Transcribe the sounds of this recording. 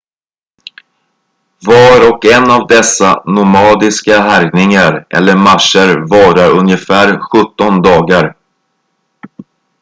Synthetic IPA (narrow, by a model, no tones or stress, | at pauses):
vɑɾɔkɛnːavd̪ɛsːa̰nʊmɑːd̪ɪskaɦæɾjnɪŋaɾʔɛ̰lːəɾmaʂəɾvɑːɾaɾɵnjəfæːɾɧɵt̪ːɔnd̪ɑːɡaɾ